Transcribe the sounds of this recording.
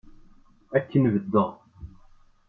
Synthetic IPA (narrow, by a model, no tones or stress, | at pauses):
ækːənvəd̪ːə